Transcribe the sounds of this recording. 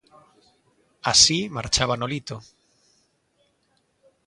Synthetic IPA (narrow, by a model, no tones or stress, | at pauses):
asimaɾt͡ʃaβanolit̪o